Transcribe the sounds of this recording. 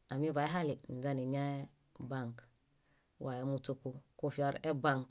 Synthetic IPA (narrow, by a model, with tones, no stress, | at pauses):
a˨mi˦ba˨e˦ɦa˦li˨n̩˨za˦ni˨ɲa˦e˦ | baŋk | wʔa˨e˨mu˨tu˨ku˨ku˦fi˦o˦ɾe˦baŋk